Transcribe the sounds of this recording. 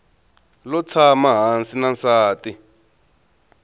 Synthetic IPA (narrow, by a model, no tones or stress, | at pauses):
lɔt͡sʰamaɦansinansaːti